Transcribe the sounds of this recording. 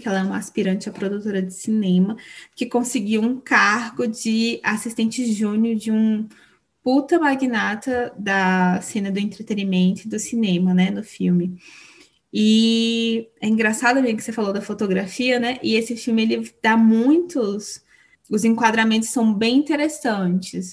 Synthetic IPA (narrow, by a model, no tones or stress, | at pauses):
kɛlɐɛũmɐaspiɾɐ̃nt͡ʃɪɐpɾod̪ut̪oɾɐd͡ʒɪsinẽmɐkɪkõsɪɡiwũkaɾɡʊd͡ʒɪasist̪ẽnt͡ʃɪʒũnjʊd͡ʒɪũ | put̪ɐmaɡinat̪ɐd̪ɐsẽnɐd̪ʊẽnt̪ɾet̪enimẽnt̪ʊɪd̪ʊsinẽmɐnɛnʊfiwmɪ | ɪ | ɛĩɡɾasad̪ʊmeʒmʊkɪ̥sefalod̪ɐfot̪oɡɾafiɐnɛʔɪesɪfiwmɪelɪd̪̥amũj̃t̪ʊs | ʊzẽŋkwad̪ɾamẽnt̪ʊ̥sɐ̃w̃bẽj̃ĩnt̪eɾesɐ̃t͡ʃɪs